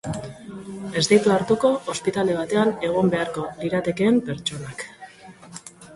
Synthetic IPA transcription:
e̞zd̪ijt̪uaɾt̪uko̞ːspit̪ale̞β̞at̪e̞ane̞ɣ̞ombe̞aɾko̞liɾat̪e̞ke̞ːmpe̞ɾt͡ʃo̞nak

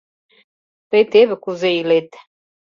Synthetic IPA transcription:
t̪ejt̪eβɘ̆kuzeilet̪

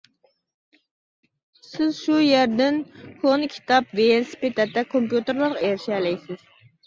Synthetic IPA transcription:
sɪzʃujæɾd̪ɪnkʰonkʲʰi̥t̪ʰɑpvesi̥pet̪ʰɛt̪ːɛkʰompjut̪eɾlˠɨɾqeɾɪʃɛlɛjsɪz̥

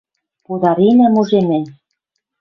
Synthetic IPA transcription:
pud̪ɑɾinæmuʒemɘ̆n

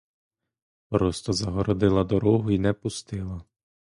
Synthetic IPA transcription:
pɾɔst̪ɔzɐɦɔɾɔd̪ɪlˠɐd̪ɔɾɔɦʊinɛpʊst̪ɪlˠɐ

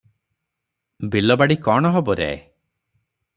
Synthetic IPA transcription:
bilɔbaɽikɔɽ̃ɔɦɔbɔɾḛe

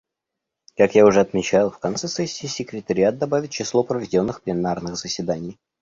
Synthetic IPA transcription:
kakjaʊʐɛɐt̪mʲɪt͡ɕalˠfkɐnt̪sɛsɛsʲːɪːsʲɪkɾʲɪt̪əɾʲɪat̪̚d̪ɐbavʲɪt̚ʲt͡ɕɪslˠopɾəvʲɪdʲo̞nːɨxplʲɪnarnɨxzəsʲvʲɪd̪anʲɪj

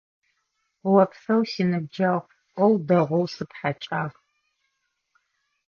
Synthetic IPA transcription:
wɐpʰsɐwsinɨb̚d͡ʒaʁ | qʷʼɔwdɐʁʷɔwsɨpħat͡ʃʼaːʁ

